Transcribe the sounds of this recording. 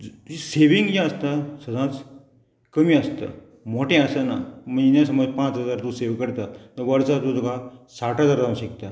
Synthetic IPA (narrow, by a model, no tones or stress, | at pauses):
iseʋiŋɡjãəst̪asəd̪ãt͡s | kəmiːəst̪a̰ | moʈẽasanaməinãs̬əməd͡zpãt͡sɦəd͡zaɾt̪ũseʋkəɽt̪at̪əʋəɽt͡sat̪ũd͡zokasaʈɦəd͡zaɾdãʋɕikt̪a